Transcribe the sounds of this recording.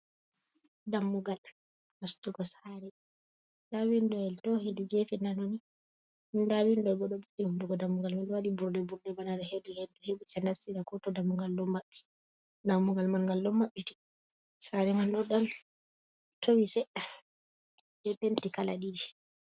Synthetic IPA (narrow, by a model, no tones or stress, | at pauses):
damːuɡal | mastuɡɔsaɾɛ | dawindɔɛltɔhediɡefinanoni | ndawindɔbɔɗɔbuɗɛhunduɡɔdamːuɡalmandwadibuɾdɛbuɾdɛbanadɔheduhedːuheɓusɛndasːiɾakɔtɔdamːuɡalːɔmːaɓːi̥ | damːuɡalmalŋɡalːɔmːaɓːiti̥ | saɾɛmanɗɔɗal | tʰowisɛɗa | bɛɓentikala̰ɗidi